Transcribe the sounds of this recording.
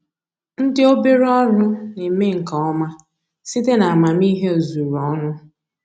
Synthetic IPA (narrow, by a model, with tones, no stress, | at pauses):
n̩˦dɪ˦o˦be˦ɾɔ˦ɾʊ˦ne˨me˦ŋ̩˨ka˨ɔ˦ma˦ | si˦te˦na˨a˨ma˨mi˦ɦe˦o˨zu˨ɾɔ˦nʊ˦